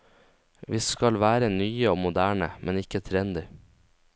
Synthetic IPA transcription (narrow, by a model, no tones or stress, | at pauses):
ʋiːskɑlʋæːɾənyːəoːmʊd̪æːɳə̰mʔɛnɪkət̪ʰɾɛnd̪ɪ